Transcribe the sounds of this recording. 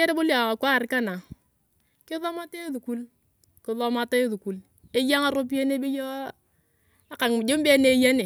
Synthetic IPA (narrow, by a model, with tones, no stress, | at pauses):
ɛ˦ɾe˦bo˦lja˨kwa˦˨ɾka˦na˨ | kɪ˦ðɔ˦ma˦te˦ðu˨ku˦l | kɪ˨ðɔ˦ma˦ta˦ðu˨ku˨l | e˦ja˦ŋa˨ɾo˦p̬i˦e˦ne˦bi˦jɔ˦ | a˦ka˨ŋ˨d͡ʒo˦mbɛ˦ne˦ja˦ne˨